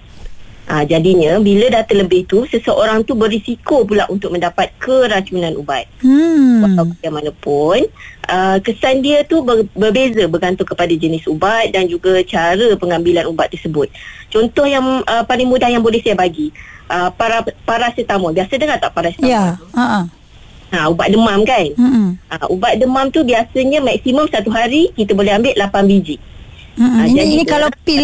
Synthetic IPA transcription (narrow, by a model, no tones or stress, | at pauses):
ʔad͡ʒadiɲə̃bilədat̪ələbɪht̪usəsəʔoɾaŋt̪ubərɾisikop̬ulaʔunt̪ʊk̚mə̃ndapat̪̚kʰəɾaɲt͡ʃunãnṵbat̪̚akawkəiamanapʊnʔəkəsandiət̪ubəbərbezəbərɡant̪ʊkəpadad͡ʒənɪsubat̪̚dand͡ʒuɡat͡ʃaɾəpəŋambilanubat̪ːərsəbʊt̪̚t͡ʃɔnt̪ɔhjaŋʔəpalɪŋmũdahjaŋbolɛhsajabaɡiʔəpaɾapaɾasət̪aməbiasədəŋat̪aʔpaɾasə̥jaaməʔ | aubaʔ̚dəmãmkanʔaʔubaʔ̪̚dəmamt̪ubiasəɲəmak̚siməmsat̪uɦaɾikit̪abolɛɦambɪʔ̪̚lapanbid͡ʒɪʔ̚ | ad͡ʒadiikalai